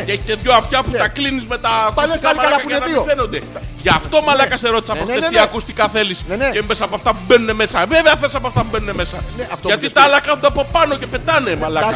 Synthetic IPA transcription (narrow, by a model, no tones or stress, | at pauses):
eçi̥t̪eðʝo̞ɐfçɐput̪ɐklinizme̞t̪ɐkusikamɐaɐɐnɐifeno̞nd̪e̞ʝɐft̪o̞mɐlɐkɐseɾo̞t̪isɐpofest̪iɐkust̪i̥kɐθe̞lisemesɐpoɐft̪ɐpube̞nune̞me̞sɐve̞veɐθeisɐpoɐft̪ɐpubenune̞me̞sɐft̪ʝɐt̪it̪ɐɐlɐkɐθond̪eɐpo̞pɐno̞ce̞pe̞t̪ɐnemɐlɐk